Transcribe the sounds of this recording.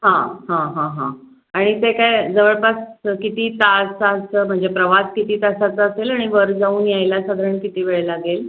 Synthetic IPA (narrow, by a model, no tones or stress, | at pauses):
ɦãɦãɦãɦã̰ | aɽ̃it̪ekajd͡zəʋəɭpaskit̪iːt̪asasəm̤əɳd͡zepɾəʋaskit̪iːt̪asat͡səselaɽ̃iʋəɾd͡zauːnjajlasad̪ʱɾəɳkit̪iːʋeɭelaɡel